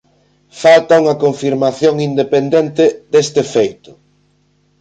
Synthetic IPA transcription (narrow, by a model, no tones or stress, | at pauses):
falt̪auŋɐkoɱfiɾmaθjoŋind̪epend̪ent̪ɪd̪est̪ɪfejt̪ʊ̥